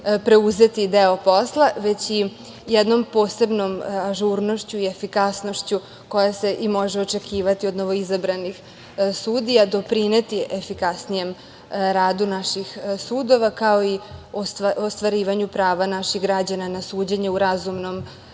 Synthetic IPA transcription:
pɾe̞uze̞t̪id̪eo̞po̞slˠaʋe̞t͡ɕi | jɛd̪no̞mpo̞ːse̞bno̞maʒuɾno̞ʃt͡ɕuie̞fikasno̞ʃt͡ɕu | ko̞jase̞ʔimo̞ʒeo̞t͡ʃe̞kʰiːʋat̪iod̪noʋo̞izabɾanix | suːd̪ijad̪o̞pɾine̞t̪iefikasnije̞m | ɾaːd̪unaʃixsuːd̪o̞ʋakao̞iosaost̪ʋaɾiːʋaɲupɾaːʋanaʃixɡɾad͡ʑananasuːd͡ʑeɲeuɾazumno̞m

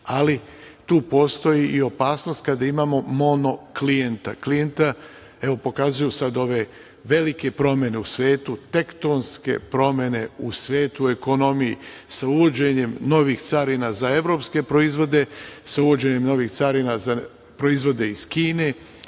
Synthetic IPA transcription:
ali | t̪uːpo̞ːst̪o̞jiʔio̞paːsno̞st̪̚kad̪aimaːmo̞mo̞no̞klijent̪a̰klije̞nt̪a | e̞ʋo̞po̞kazujusad̪o̞ʋe̞ | ʋe̞like̞pɾo̞mje̞ne̞usʋe̞ːt̪ut̪e̞kt̪o̞nske̞̰pɾo̞mʲje̞ne̞usʋeːt̪ue̞ko̞no̞mijisauʋo̞d͡ʑe̞ɲe̞mno̞ʋixt̪saɾinazae̞ʋɾo̞pske̞pɾo̞izʋo̞d̪e̞sauʋo̞d͡ʑe̞ɲe̞mno̞ʋiːxt̪saɾinaza | pɾo̞izʋo̞d̪e̞iz̥kiːne̞

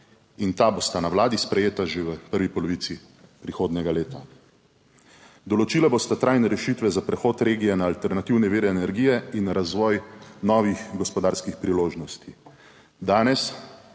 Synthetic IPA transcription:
int̪aːbost̪anawlaːd̪ispɾɛjeːt̪aʒeʋəpəɾʋipɔlɔʋiːt̪si | pɾixoːd̪nʲɛɡaleːt̪a | d̪ɔlɔt͡ʃiːlabost̪at̪ɾajnɛɾɛʃit̪ʋɛzapɾɛxoːt̪ɾeːɡijɛnaːlt̪ɛɾnat̪iwnɛʋiːɾɛːnɛɾɡiːjɛinɾazʋɔːjnɔːʋixɡɔspɔd̪aːɾskixpɾiloːʒnɔst̪i | d̪aːnɛs

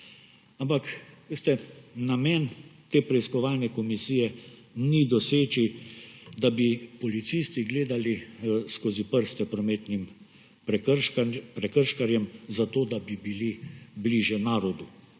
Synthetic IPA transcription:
ampakʋeːst̪ɛnamɛːnt̪eːpɾɛiskɔʋaːlnɛkɔmisijɛnid̪ɔseːt͡ʃi | d̪abipɔlit̪sist̪iɡleːd̪aliskoːzipəɾst̪ɛpɾɔmeːt̪nim | pɾɛkəɾʃkaɾjɛmzat̪oːd̪abibilibliʒjɛnaːɾɔd̪u

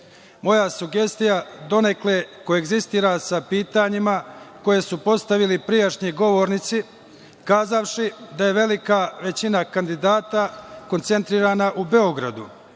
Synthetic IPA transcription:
mo̞jasuɡe̞st̪ijad̪o̞ne̞kle̞koeɡzist̪iːɾasapiːt̪aɲimako̞je̞supo̞st̪aʋilipɾijaʃɲiɡo̞ʋo̞ɾnit̪si | kaːzaʋʃid̪aje̞ʋe̞likaʋe̞t͡ɕinakand̪id̪aːt̪ako̞nt̪se̞nt̪ɾiːɾanaʔube̞o̞ɡɾa̰d̪u

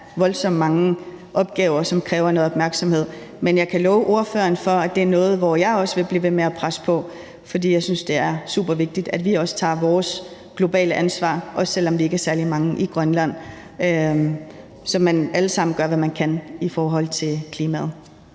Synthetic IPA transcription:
ʋɒ̽ld̥sɒ̽m̰mɑ̈ŋə | ʔɒ̽b̥̚ɡ̥ɛːʊɐsɒ̽mkʰʁɛːʊɐno̽ð̩ˠɒb̥mæɐɡ̥sɒ̽mhe̝ð̰ˠ | menjɑ̈ɪkʰælɔːʊʔo̝ɐfø̰ːɐnfɒ̽æd̥e̝æɐnɔ̽ːð̞̩ˠʋɒjɑ̈ɪɒ̽səʋe̝b̥liːʋe̝meæpʰʁasə̥pʰɒ̽ | fɒ̽d̥ḭːjɑ̈ɪsynsd̥e̝æɐsṵːb̥ɐʋe̝ɡ̥̚d̥id̥æd̥ʋiɒ̽sə̥t͡sʰɑ̰̈ːʋɒːs | ɡ̥lo̝b̥ɛ̰ːləʔænsʋɑ̰̈ːʔɒ̽ssel̰ɒ̽mʋie̝ɡ̥æɐsæɐlimɑ̈ŋəʔiɡ̥ʁɶnlæn̰ | ø | sɒ̽mænæləsɑ̈m̰n̩ɡ̥ɶɐʋæmænkʰænifɒːɦɒ̽l̰t͡sʰe̝lkʰliːmæð̩ˠ

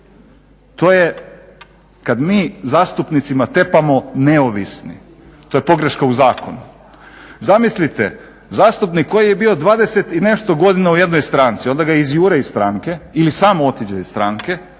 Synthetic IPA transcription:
t̪o̞ːje | kad̪miːzaːst̪upnit̪simat̪epamo̞ne̞oʋisnḭ | t̪o̞je̞po̞ɡɾeʃkauzaːko̞nu | zamislit̪ḛ | zaːst̪upnikʰːo̞jijebio̞d̪ʋaːd̪e̞set̪ine̞ʃt̪o̞ɡo̞d̪inauje̞d̪no̞jst̪ɾaːnt̪sio̞nd̪aɡaizjuːɾeist̪ɾaːŋke̞ilisaːmo̞t̪id͡ʑaist̪ɾaːŋke̞

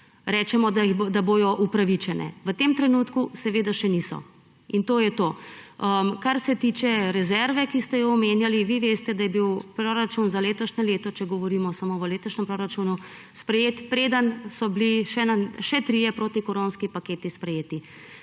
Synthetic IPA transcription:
ɾɛːt͡ʃɛmɔd̪d̪aboːj̪ɔʔupɾaʋit͡ʃɛnɛ̰ʋət̪emt̪ɾɛnuːt̪kusɛʋeːd̪aʃɛnisɔ̰ | int̪oːjɛt̪oːəmkaɾsɛt̪it͡ʃɛɾɛzɛɾʋɛkist̪ɛjɔɔmeːnjaliʋiʋeːst̪ɛd̪ajɛbiwpɾoɾat͡ʃunzaleːt̪ɔʃnɛleːt̪ɔt͡ʃɛɡɔʋɔɾimɔsamoʋəleːt̪oʃnɛmpɾoɾat͡ʃunu | spɾɛjeːt̪pɾeːd̪ənsɔbliʃɛnaʃɛt̪ɾijɛpɾoːt̪ikɔɾonskipakeːt̪ispɾɛjeːt̪i

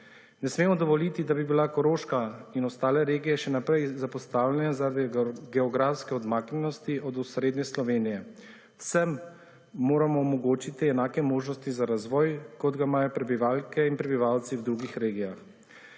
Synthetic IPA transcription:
nɛsmeːmɔd̪ɔʋɔlit̪id̪abibilakɔɾoːʃkainɔst̪aːlɛɾeːɡijɛʃɛnapɾɛjzapɔst̪aːwlʲjɛnazaɾad̪ɡɛɔɡɾafskɛɔd̪maːknʲɛnɔst̪iʔɔd̪usɾeːd̪nɛslɔʋeːnijɛ | wsɛmː | oːɾamɔɔmɔɡoːt͡ʃit̪iɛnaːkɛmoːʒnɔst̪izaɾazʋɔːjkɔd̪ɡamaːjɔpɾɛbiʋaːlkɛinpɾɛbiʋawt̪siwd̪ɾuːɡixɾeːɡijax

